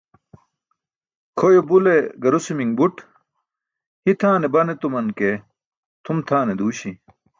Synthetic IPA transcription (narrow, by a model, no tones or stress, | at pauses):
kʰojobuleɡɐɾusimiŋbuʈ | hit̪ʰaːnebɐnet̪umɐnke | t̪ʰumt̪ʰaːned̪uːɕi